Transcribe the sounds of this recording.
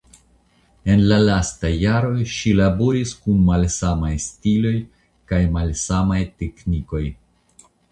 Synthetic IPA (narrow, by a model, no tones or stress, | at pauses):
e̞nlalastajaɾo̞ʃilabo̞ɾiskunmalsamajstilo̞j | kajmalsamajtekniko̞j